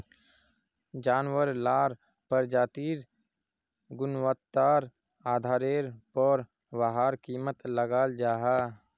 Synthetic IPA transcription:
d͡ʒaːnwəɾlaːɾ | pəɾd͡ʒaːt̪iːɾ | ɡʊnwət̪ːaːɾ | aːd̪ʱaːɾeːɾpɔːɾ | wəɦaːɾkiːmət̪ləɡaːld͡ʒaːɦaː

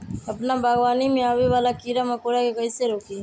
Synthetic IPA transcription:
əpnabʱaːɡʋaːnimẽaːʋeʋaːlaːkiːɾaːmãkoːɽaːkekəiseɾoːkiː

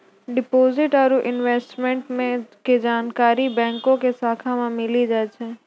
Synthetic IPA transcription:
ɖɪpoːzɪʈɔːɾuʔɪnʋeːsʈmɛ̃ɳʈmẽked͡ʒaːnkaːɾibɛ̃ːŋkõkesaːkʰamãmɪlid͡ʒaːt͡ʃɛ̃ː

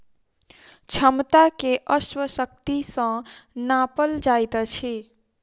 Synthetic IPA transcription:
t͡ʃʰəmt̪akeʔəswəsək̚t̪isə̃napəld͡ʒajt̪t͡ʃʰi

